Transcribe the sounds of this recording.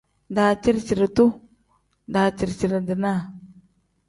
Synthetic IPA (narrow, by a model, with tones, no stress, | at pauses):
da˨t͡ʃi˦ɾt͡ʃi˨ɾtu˦ | da˨t͡ʃi˨ɾt͡ʃi˨ɾa˨də˨na˦˨